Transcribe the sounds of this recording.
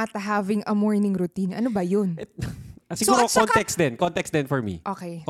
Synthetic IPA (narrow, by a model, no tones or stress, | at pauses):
at̪ɐɦaːvɪŋʔɐmɔɹnɪŋɾʊt̪inʔɐnobɐjonɛsɪɡuːɾokɔnt̪ɛks̚d̪ɛnkɔnt̪ɛksd̪ɛnfɔɹmḭʔoːkej